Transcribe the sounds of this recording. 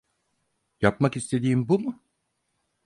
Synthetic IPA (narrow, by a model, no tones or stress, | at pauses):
japmakist̪ʰe̞d̪iːimbumʊ